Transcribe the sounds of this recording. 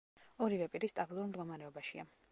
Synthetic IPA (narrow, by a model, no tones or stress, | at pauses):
ɔɾivɛpʼiɾist̪ʼabilˠuɾmd̪ɡɔmaɾɛɔbaʃia